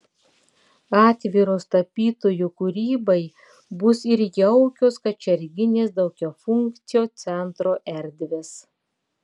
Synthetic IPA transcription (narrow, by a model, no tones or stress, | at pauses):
ɑːt̪ʲʋʲiːˑɾoːst̪ɐpʲiːt̪oːjukʊɾʲiːbɐɪ | bʊsɪɾjɛʊkʲoːskɐt͡ʃʲɛɾʲɡʲɪnʲeːsd̪ɐʊkʲoːfʊŋkt̪sʲɪjoːt̪sʲɛnt̪ɾoːʔɛɾʲd̪ʲʋʲeːs